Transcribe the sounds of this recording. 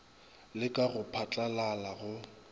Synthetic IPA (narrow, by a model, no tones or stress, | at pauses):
lɪkʼaɣʊpʰat͡ɬʼalalaɣʊ